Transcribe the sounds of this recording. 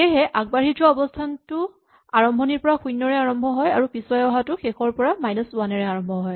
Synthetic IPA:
eɦɛʔaɡ̚baɹid͡ʒɔɔbɔstʰantʊ | aɹɔmbʱɔniɹpɔɹaxujnːɔɹɛaɹɔmbʱɔɦɔjaɹupisɔɛɔɦatʊxexɔɹpɔɹamajnɔswanɛɹɛaɹɔmbʱɔɦɔj

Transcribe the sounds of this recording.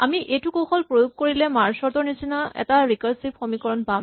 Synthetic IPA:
amiʔejtukoxʰɔlpɹojuɡ̚koɹilɛmaɹsɔɹtɔɹnisinaɛ̰taɹikɔɹsip̚xomikɔɹɔnpãm

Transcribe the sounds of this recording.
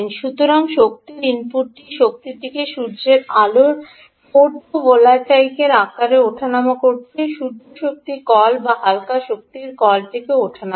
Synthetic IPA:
nʃut̪oɾaŋʃok̚t̪iɾinpuɾʈiʃok̚t̪iʈikeʃuɾd͡ʑeɾaloɾ | poɾd̪ʱobolat͡ɕajkeɾakːaɾeoʈʰanamakoɾt͡ɕʰeʃuɾdʱoʃok̚t̪ikɔlbaɦalkaʃok̚t̪iɾkɔlʈikeoʈʰana

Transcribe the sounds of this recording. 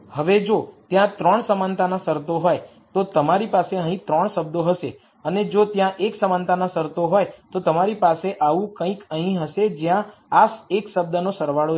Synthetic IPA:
həʋed͡ʒot̪jãt̪ɾəɳsəmant̪anasəɾt̪oɦoj | t̪ot̪əmaɾipaseəɦĩt̪ɾəɳ̃səbd̪oɦəʃe | əned͡ʒot̪jãʔeksəmant̪anasəɾt̪oɦojt̪ot̪əmaɾipaseʔaʋũkə̃ĩkəɦĩɦəʃed͡ʒjãasekʃəb̚d̪ənosəɾʋaɭo

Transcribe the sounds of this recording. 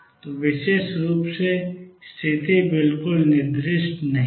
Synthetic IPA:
t̪oʋɪʃeːʃɾuːpsest̪ʰɪt̪ʰibɪlkʊlnɪɾd̪ɾɪʃʈnɐɦ

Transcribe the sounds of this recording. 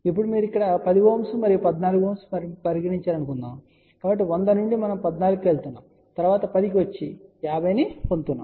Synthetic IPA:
ipːuɽumiːɾuikːɐɽɐpɐd̪iɡoːmsumɐɾijupɐd̪naːluɡuoːmsu̥mɐɾpɐɾiɡɐɽiɲt͡ʃaːɾɐnukund̪aːm | kaːbɐʈ̬ːiʋond̪ɐnuɳɖimɐnɐmpɐd̪naːluɡukeːɭt̪unːa̰ːm | t̪ɐɾuʋaːt̪ɐpɐd̪ik̬iʋɐt͡ʃːijaːbʱɐjniːpont̪unːa̰ːm

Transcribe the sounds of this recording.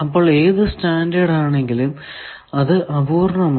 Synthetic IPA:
ɐpːoɭeːðɨstaːndɐɽaːɳe̞ŋɡilum | ɐðɨʔɐbuːrɳɐma

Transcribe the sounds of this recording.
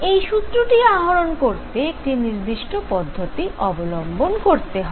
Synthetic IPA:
ejʃut̪ːɾoʈiaɦoɾonkoɾt̪eek̚ʈiniɾd̪iʃʈopɔd̪ʱːot̪iʔɔbolombonkoɾt̪eɦɔ

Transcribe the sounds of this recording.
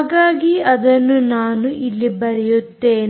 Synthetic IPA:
ɡaːɡiɐd̪ɐnːunaːnuʔilːibɐɾijut̪ːe̞ːn

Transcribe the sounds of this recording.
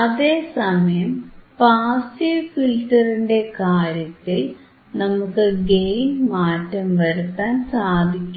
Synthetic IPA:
ɐðe̞ːsɐmɐjɐmpaːsifilʈɐriɳɖe̞kaːɾjɐt̪ːil | nɐmukːɨɡejnmaːtːɐmʋɐɾut̪ːaːnsaːd̪ʱikʲːu

